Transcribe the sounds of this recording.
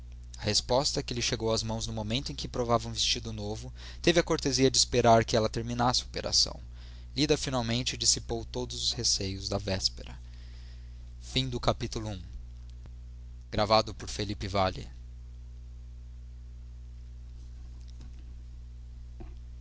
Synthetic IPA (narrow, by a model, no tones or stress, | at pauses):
ɐhespɔst̪ɐkɪlɪʃeɡowɐzmɐ̃w̃znʊmomẽnt̪ʊẽkɪpɾovavɐũvest͡ʃid̪ʊnovʊ | t̪evɪɐkoɾt̪eziɐd͡ʒɪːspeɾaɾkɪɛlɐt̪eɾminasɪopeɾʔa̰sɐ̰̃w̃ | lid̪ɐfinawmẽnt͡ʃɪɪd͡ʒisipowt̪od̪ʊzʊshesejʊzd̪ɐvɛspeɾɐ | fĩd̪ʊkapit̪ulʊũ | ɡ̥ɾavad̪ʊpʊɾfelipɪvalɪ̰